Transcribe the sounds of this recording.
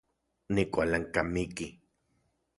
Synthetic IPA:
nikʷalaŋkamiki

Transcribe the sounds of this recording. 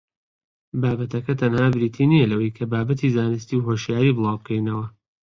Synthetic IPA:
baːbɐt̪ʰɐkɐt̪ʰɐnhaːbɾiːt̪ʰiːnijɐlɐwɐjkʰɐbaːbɐt̪ʰizaːnɨs̬t̪iwɦoʃjaːɾiːbɨlˠɑːwb̚kʰɛjnɐwɐ

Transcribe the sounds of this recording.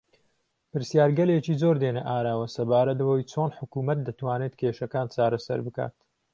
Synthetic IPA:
pɨɾsjaːɾɡɐleːt͡ʃiːzoɾd̪eneʔaːɾaːwɐsɐbaːɾɐt̪̚wɐjt͡sʰoːnħʊkuːmɐt̪̚d̪ɐt̪waːnet̪kʰeːʃɐkaːnt͡ʃaːɾɐsɐ̰ɾbɨka̰ːt̪

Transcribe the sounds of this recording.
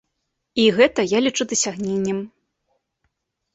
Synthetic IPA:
iɣɛt̪ɐjalʲit͡ʂud̪ɐsʲaɣnʲenʲːɐm

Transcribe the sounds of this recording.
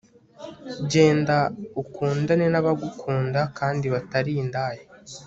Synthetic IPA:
ɟe̞ːndaukʰuːndanenaβaɡukʰuːndakaːndiβataɾindaːje

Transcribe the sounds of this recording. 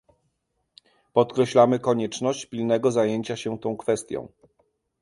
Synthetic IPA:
pɔt̪kɾɛɕlamɘkɔɲɛt͡ʂnɔɕt͡ɕpʲilnɛɡɔzajeɲt͡ɕaɕɛt̪ɔ̃w̃kfɛst̪ʲjɔ̰̃w̃

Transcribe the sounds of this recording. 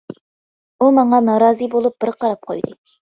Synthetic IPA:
umɑɴɑnɑɾɑːzɨbolˠup̚b̥ɪɾqɑɾɑp̚qʰo̰jd̪ɨ

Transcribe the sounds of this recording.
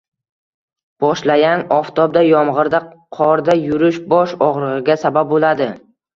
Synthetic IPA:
b̥ɒʃlaɡʲanɒft̪ʰɒb̚d̪ajɒmʁɨɾd̪aqʰɒɾd̪ajʊɾɪʃbɒʃɒʁɾɨʁɨɡʲasabab̚bolad̪ɪ

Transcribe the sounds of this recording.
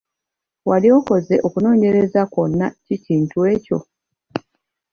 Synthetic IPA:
walio̞ko̞ze̞ʔo̞kuno̞ːɲe̞ɾe̞zako̞nːaciciːntuwe̞ːco̞̰

